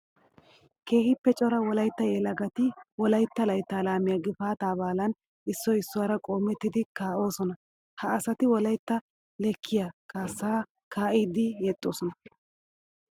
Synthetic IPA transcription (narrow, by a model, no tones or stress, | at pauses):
ke̞ːhɪpːɛt͡ʃʼɔɾɐwɔlɐjt̪ːɐjɛlɐɡɐt̪ɪwɔlɐjt̪ːɐlɐjt̪ːaːlaːmɪjaɡɪfaːt̪aːbaːlɐn | ɪsːɔɪsːʊwaːɾɐkʼo̞ːmːɛt̪ːɪd̪ɪkaːʔo̞ːsɔnɐ | hɐːsɐt̪ɪwɔlɐjt̪ːɐ | lɛkʰːɪjakaːsːaː | kaːʔiːd̪ɪjɛt̪ʼːo̞ːsɔnɐ